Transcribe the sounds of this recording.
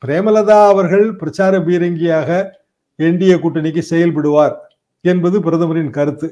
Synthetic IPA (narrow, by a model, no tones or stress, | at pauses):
pɪɾeːmɐlɐðaːɐʋɐɾɣɐɭpɪɾɐt͡ʃaːɾɐbiːɾɐŋɡɪjaːɣɐ | ɛɳɖɪjɐkʊʈːɐnɪk̬ːɯsɛjɐlpɐɽɯʋaːɾ | ɛnbɐðɯpɪɾɐðɐmɐɾɪnkɐɾɯt̪ːɯ